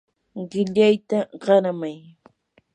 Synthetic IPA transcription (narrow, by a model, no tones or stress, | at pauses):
ɢɪʎajt̪aɢɑɾamaj